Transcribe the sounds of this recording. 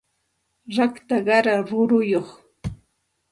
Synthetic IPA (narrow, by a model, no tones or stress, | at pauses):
ɾakt̪aɢɑɾaɾʊɾʊjoχ